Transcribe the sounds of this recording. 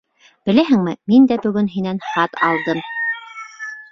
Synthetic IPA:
b̥ɘ̆læɦɘ̆ŋmɘmind̪æbɵ̆ɡɵnɦinænχɑt̪ɑ̰lˠd̪ɤm

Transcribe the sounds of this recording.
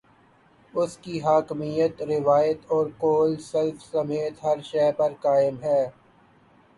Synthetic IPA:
ʊskiɦaːkmijət̪ɾɪʋaːjət̪ɔːɾkoːlsɛlfsɐmeːt̪ɦɐɾʃɛːpɐɾkaːɪmɦɛː

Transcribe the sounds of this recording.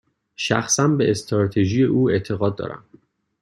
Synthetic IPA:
ʃæ̰xsænbe̞ʔest̪ɾɒːt̪ʰeʒije̞ʔuːe̞t̪ʰe̞ɣɒːd̪̚ːɒ̰ːɾæ̰m

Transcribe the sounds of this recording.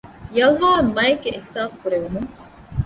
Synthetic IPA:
jɐlɦaːmɐjeɡːeʔehsaːskuɾeʋemuŋ

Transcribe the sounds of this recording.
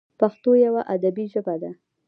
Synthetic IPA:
paxt̪ojawaʔad̪abiʒəbad̪a

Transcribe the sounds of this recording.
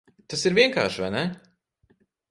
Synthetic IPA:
t̪asiɾvʲiɛŋka̰ːʃvajnɛ

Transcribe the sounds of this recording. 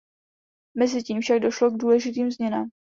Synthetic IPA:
mɛzɪciːmfʃaɡ̚doʃloɡduːlɛʒɪt̪iːmzmɲɛnaːm

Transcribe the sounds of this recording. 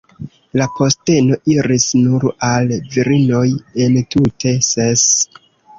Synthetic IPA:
lapo̞ste̞no̞ʔiɾisnuɾalviɾino̞je̞ntutʰe̞ses

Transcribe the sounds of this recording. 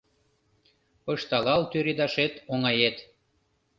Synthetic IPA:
pɤʃt̪ɑlɑlt̪yɾed̪ɑʃet̪oŋɑjet̪

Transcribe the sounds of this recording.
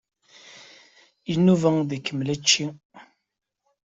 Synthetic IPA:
jənːuvəŋðikːəmlæt͡ʃːi

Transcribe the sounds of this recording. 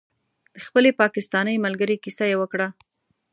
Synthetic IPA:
d̪̥əxpəlepɑkɪst̪ɑnəjmalɡəɾekisajewəkɽa

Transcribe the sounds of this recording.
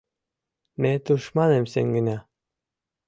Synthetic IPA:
met̪uʃmɑnemseŋɡinæ

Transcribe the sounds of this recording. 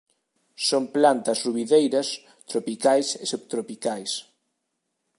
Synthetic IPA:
soŋplant̪ɐsruβiðejɾɐs | t̪ɾopikajsesupt̪ɾopikajs

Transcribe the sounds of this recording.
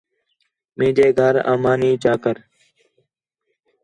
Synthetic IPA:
mẽːd͡ʒeːɡʱəɾa̰ːmaːniːt͡ʃaːkəɾ

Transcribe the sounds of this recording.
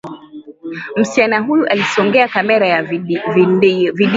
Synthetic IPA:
m̩si̥t͡ʃanaɦujuʔalisɔŋɡɛakamɛɾaja | viɗ

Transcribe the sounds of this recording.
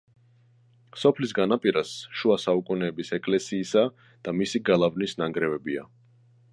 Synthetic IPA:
sɔpʰlisɡanapʼiɾasʃuasaukʼunɛːbisɛkʼlɛsiːsa | d̪̥amisiɡalˠavnisnaŋɡɾɛvɛbia̰

